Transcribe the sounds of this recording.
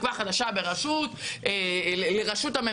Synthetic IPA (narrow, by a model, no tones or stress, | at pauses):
kvaχad̪aʃabe̞ʁaʃut̪eeleʁaʃut̪ame